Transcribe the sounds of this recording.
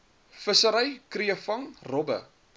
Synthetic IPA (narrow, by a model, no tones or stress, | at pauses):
fəsəɾəjkriəfɐŋrɔbə̰